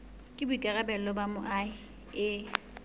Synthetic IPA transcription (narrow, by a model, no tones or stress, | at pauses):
kʼɪbʊikʼɛɣɛbɛlɔbamʊʔaɪ | ɪ